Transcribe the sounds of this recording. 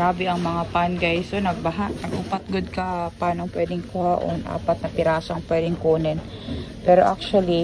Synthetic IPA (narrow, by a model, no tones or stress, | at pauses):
aːbɪɐŋmɐŋapanɡɐjsonɐɡ̚bɐɦaʔnɐɡʔʊpɐt̪̚ɡod̪̚kɐpaːnoɐŋpwɛːd̪ɪŋkʊhaʔonʔa̰ːpɐt̪̚nɐpɪɾaːsɐɐŋpwɛːd̪ɪŋkoːnɛn | pɛːɾoʔak̚t͡ʃwɐli